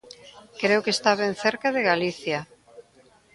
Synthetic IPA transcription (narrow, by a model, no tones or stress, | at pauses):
kɾewkest̪aβen̟θeɾkaðeɣaliθja